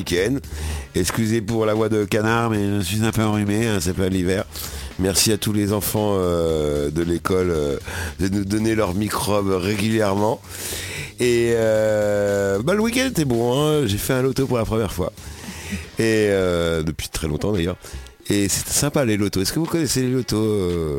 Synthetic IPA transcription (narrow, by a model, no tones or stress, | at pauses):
ikʲɛnd̪ɛkskʲyzepuʁlavwad̪əkanaʁmɛʒəsɥizɛ̃pøɑ̃ʁymeɛ̃sapɛ̃livɛʁmɛʁsiat̪ulezɑ̃fɑ̃ød̪əlekɔlød̪ənud̪ɔnelœʁmikχɔbʁeɡʲyljɛʁmɑ̃ | eø | baləwikʲɛ̃nd̪t̪ɛbɔ̃ɛ̃ʒefɛɛ̃lot̪opuʁlapχəmjɛʁfwa̰ | eød̪əpɥi̥t̪χɛlɔ̃t̪ɑ̃d̪ajœːʁ | ese̥t̪ɛ̥sɛ̃palelot̪oɛskəvukɔnɛselelot̪oø